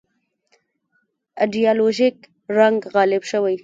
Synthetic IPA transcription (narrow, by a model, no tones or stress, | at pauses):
aɖijɑloʒik | ɾaŋɡɣɑlɪbʃəwaj